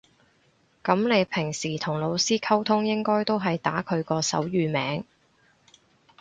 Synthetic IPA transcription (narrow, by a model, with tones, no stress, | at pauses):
kɐ˨˥mne˨˧jpʰɪ˨˩ŋsiː˨˩t̪ʰʊ˨˩ŋlo˨˧wsiː˥kʰɐ˥wt̪ʰʊ˥ŋjɪ˥ŋkɔː˥jt̪o˥wɦɐ˨jt̪aː˨˥kʰɵ˨˧ɥkɔː˧sɐ̰˨˥wjyː˨˧mɛː˨˧˥ŋ